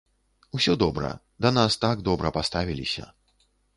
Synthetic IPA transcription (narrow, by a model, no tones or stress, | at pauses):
usʲɔd̪ɔbɾɐ̰ | d̪anast̪aɡd̪ɔbɾɐpast̪avʲilʲḭsʲɐ̰